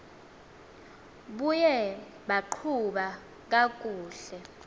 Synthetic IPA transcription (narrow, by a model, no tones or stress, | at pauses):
ɓujɛ | ɓaǃʰuɓa | k̬ak̬ʼuːɬɛ